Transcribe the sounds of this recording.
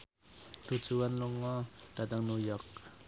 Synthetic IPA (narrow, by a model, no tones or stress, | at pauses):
d̪̥ṳ̥d͡ʒuwanluŋɔd̥at̪aŋnujɔk̚